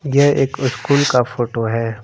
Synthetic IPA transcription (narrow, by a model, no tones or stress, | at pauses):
jeɦeːkʊskuːlkafoːʈoɦɛː